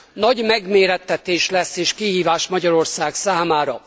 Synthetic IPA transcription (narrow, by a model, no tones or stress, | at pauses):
nɒɟmɛɡmeːɾɛt̪ːɛt̪eːʃlɛsːeːʃkihiːvaːʃmɒɟɒɾo̞rsaːksaːmaːɾɒ